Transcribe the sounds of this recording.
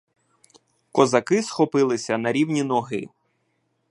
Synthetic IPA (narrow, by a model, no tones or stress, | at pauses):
kɔzɐkɪsxɔpɪlˠɪsʲɐnɐɾʲiwnʲinɔɦɪ̰